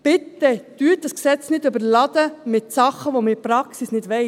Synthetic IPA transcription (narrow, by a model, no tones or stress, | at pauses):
pɪt̪ːɛt̪yːtd̥ɑsksɛt͡snɪdøbəɾlɑd̥̪əmɪt̪sɑχːəʋomɪpɾɑksisnɪdʋɛɪ